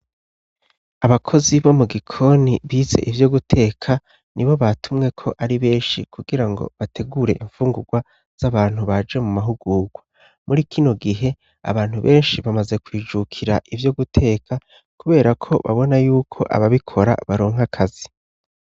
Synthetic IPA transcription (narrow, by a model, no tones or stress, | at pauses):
aβakʰo̞ziβo̞muɡikʰo̞niβiːze̞̰ʔivjo̞ɡutʰe̞ːkʰa | niβo̞βatʰumŋe̞kʰo̞ʔaɾiβe̞ːnʃikʰuɡiɾaŋɡo̞̰βatʰe̞ɡuːɾe̞̰ʔiɱfuːŋɡuɡwa | z̥aβaːn̥huβad͡ʒe̞mumaɦuɡuːɡwa | mʔuɾikʰino̞ɡiɦe̞ | a̰βaːn̥huβe̞ːnʃiβamaze̞kwiːd͡ʒukʰiɾaʔivjo̞ɡutʰe̞ːkʰa | kuβe̞ːɾakʰo̞βa̰βo̞najuːkʰo̞̰ʔa̰βaβikʰo̞ɾa̰βaɾo̞ːŋɦakʰazi